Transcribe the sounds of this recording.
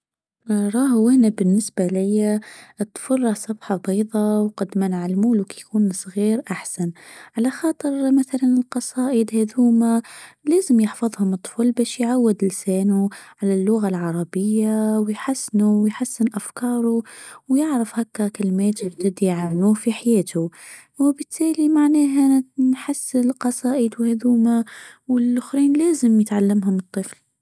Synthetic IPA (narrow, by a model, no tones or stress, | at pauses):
ɾˤɑːhwɪhnabɪnːɪsbalɪjːat̪fɑrˤːɑsˤɑbħɑbɑjðˤɑwqɑd̪manʕalmuːlʊkijkuːnsˤɣiːɾʔaħsanʕalaxɑːt̪ˤɨɾmaθalanɪlqɑsˤɑːʔəd̪hed̪huːmaleːzɪmjɪħfɑðˤhʊmɨt̪ˤːfulbeːʃjʕawːɪd̪lseːnuʕalalːʊɣalʕɑɾˤɑbɪjːawjħasːnuwjħasːɪnʔafkɑːɾˤuwjɪʕɾafhakːakɪlmeːt̪ɪbd̪ɪd̪ijʕamnuːfiħajeːt̪ʰu | wɪbɪt̪ʰːæːlimaʕnæːɦanħasːɪnlqɑsˤɑːʔəd̪whed̪uːmawɪlʔʊxɾiːnlæːzɪmjɪt̪ʕalːamɦʊmɨt̪ˤːɨfl